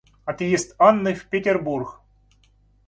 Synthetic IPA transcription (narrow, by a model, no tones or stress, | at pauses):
ɐt̪jesʲt̪anːɨfʲpʲetʲerburx